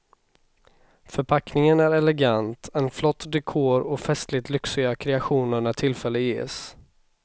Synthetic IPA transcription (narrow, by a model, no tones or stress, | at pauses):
fœɾpʰaknɪŋənæɾɛlɛɡant̪ɛnflɔt̪ːd̪ɛkʰoːɾɔfɛst̪lɪt̪lʏksɪɡakʰɾɛaɧuːnəɳæʈʰɪlfɛlːəjḛːs